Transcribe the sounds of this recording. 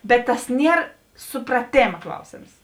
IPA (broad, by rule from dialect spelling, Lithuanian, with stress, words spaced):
bʲɛt tɐs ˈnʲiɛr sʊprɐˈtʲeːmɐ ˈklˠɐʊsʲeːms